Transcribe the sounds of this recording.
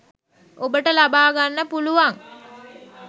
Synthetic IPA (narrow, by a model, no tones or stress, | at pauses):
obəʈəlabaːɡanːəpuluʋaŋ